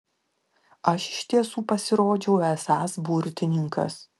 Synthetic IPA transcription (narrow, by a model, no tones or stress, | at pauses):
ɐʃɪ̥ʃʲt̪ʲiɛsuːpɐsʲɪɾoːd͡ʒʲɛʊɛsɑsbuɾʲt̪ʲɪnʲɪŋkɐ̰s